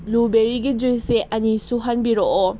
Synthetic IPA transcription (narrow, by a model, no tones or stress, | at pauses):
lubeɾiɡid͡ʒujseʔɐnisuɦɐnbiɾoʔɔ